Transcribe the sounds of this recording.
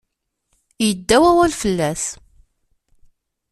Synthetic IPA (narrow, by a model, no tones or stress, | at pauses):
jəd̪ːæwæwælfəlːæθ